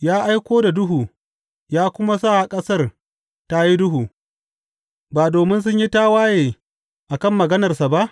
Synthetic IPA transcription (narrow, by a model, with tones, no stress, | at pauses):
jaː˦ʔa˦jkʷoː˦da˨dʊ˦ɦuː˨ | jaː˦kʷʊ˦ma˦sa˦˨ha˨kʼɐ˦sɐ˦˨r | ta˦ji˦dʊ˦ɦuː˨ | baː˨doː˨mɪ˦ns̬ʊ˦ɲji˦taː˦waː˦jeː˨ | ʔa˨kɐ˦˨mːɐ˨ɡɐ˦nɐ˨rsa˨ba˦ʔ